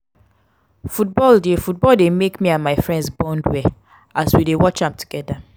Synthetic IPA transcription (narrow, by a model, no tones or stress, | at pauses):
fut̚bɔldefut̚bɔldemekmiãnmaɪfɹɛ̃ndsbɔ̃ndwɛ | aswidewɔt͡ʃãmtʰu̥ɡ̥ɛda